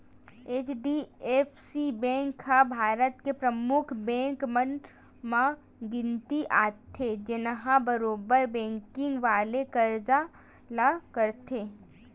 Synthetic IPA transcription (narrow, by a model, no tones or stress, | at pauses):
eːt͡ʃɖieːfsibɛ̃ːŋkʰːabʱaːɾət̪kepɾəmʊkʰbɛ̃ːŋkmən | mã | ɡɪ̃nt̪iʔaːt̪ʰːed͡ʒɪnɦãbɐɾoːbəɾbɛ̃ːŋkɪ̃ŋɡʋaːlekɐɾd͡ʒa | lakəɾt̪ʰeː